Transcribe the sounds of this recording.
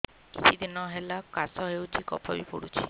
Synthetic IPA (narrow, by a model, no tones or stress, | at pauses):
kit͡ʃʰid̪inɔɦelakasɔɦewt͡ʃʰikɔ̰pʰɔbipo̰ɽut͡ʃʰi̥